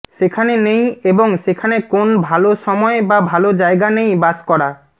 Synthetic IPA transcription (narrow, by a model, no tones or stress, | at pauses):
ʃekʰanenej̃eboŋʃekʰanekonbʱaloʃɔmɔebabʱalod͡ʑaeɡanejbaskɔɽa